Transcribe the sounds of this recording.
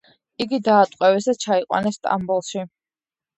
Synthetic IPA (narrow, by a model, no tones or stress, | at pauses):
iɡid̪aːt̪ʼqʼwɛvɛsd̪at͡ʃʰaiqʼwa̰nɛsːt̪ʼa̰mbulˠʃi